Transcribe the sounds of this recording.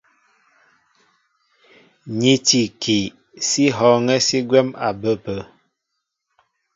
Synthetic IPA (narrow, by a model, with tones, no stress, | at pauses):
ɲi˦ti˨ki˨ | si˦ɦɔ˨˦ŋɛ˦si˦ɡwɛ˦ma̰˨bə˦pə˨˦